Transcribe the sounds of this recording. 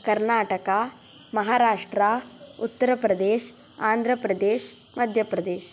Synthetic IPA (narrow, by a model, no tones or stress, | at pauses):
kɐɾnaːʈɐka | mɐɦaːɾaːʂʈɾaut̪ːɐɾɐpɾɐd̪eːʃ | aːnd̪ʱɾɐpɾɐd̪eːʃ | mɐd̪ʱjɐpɾɐd̪eːʃ